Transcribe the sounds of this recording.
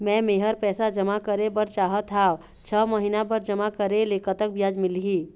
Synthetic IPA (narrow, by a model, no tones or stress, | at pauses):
mɛ̃meɦəɾpɛːsad͡ʒəmakəɾebəɾt͡ʃaːɦət̪ʰaːʋ | t͡ʃʰəməɦinabəɾd͡ʒəmakəɾelekət̪ək̚bjad͡ʒmɪlɦi